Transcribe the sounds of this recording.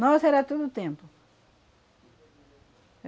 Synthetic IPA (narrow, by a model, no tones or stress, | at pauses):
nɔsɛɾat̪od̪ʊːt̪ẽmpʊ